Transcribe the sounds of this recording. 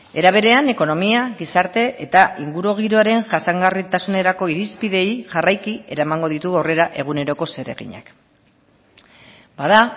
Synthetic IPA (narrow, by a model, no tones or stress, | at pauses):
e̞ɾaβ̞e̞ɾe̞ane̞ko̞no̞miaɣisaɾt̪e̞ʔet̪aʔiŋɡuɾuɣ̞iɾo̞aɾe̞ŋʝasaŋɡarit̪asune̞ɾako̞iɾispiðe̞jʝarajkie̞̰ɾamaŋɡo̞ðit̪uɣawre̞ɾaʔe̞ɣ̞une̞ɾo̞ko̞se̞ɾe̞̰ɣḭɲa̰k | bað̞a